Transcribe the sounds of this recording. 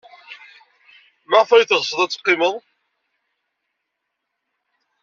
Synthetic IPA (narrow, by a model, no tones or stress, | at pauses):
maʁfæjθʁsˤəðˤæt͡sːqːɪməðˤ